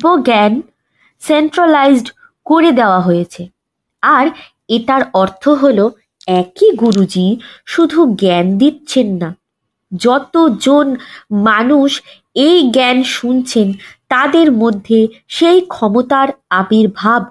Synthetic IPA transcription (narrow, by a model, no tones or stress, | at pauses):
boɡɛn | senʈɾalajzɖ | koɾed̪eoaɦojet͡ɕʰe | aɾ | eʈaɾɔɾt̪ʰoɦolo | ɛkiɡuɾud͡ʑiʃud̪ʱuɡɛnd̪it̪ːɕʰenːa | d͡ʑɔt̪od͡ʑonmanuʃ | ejɡɛnʃunt͡ɕʰent̪ad̪eɾmod̪ʱːeʃejkʰɔmot̪aɾabiɾbʱab̚